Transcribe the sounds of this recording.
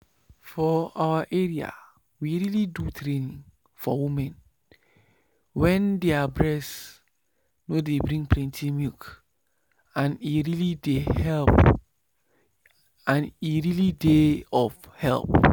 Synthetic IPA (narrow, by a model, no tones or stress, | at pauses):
fɔawaʔɛɹia̰ | wiɹilidutʰɾenĩŋ | fɔwimɛ̃n | wɛ̃ndeabɹɛs | nodebɾĩŋpʰlɛ̃ntʰimik | ãniɹilidehɛlp | ãniɹilideɔf | hɛ̰lp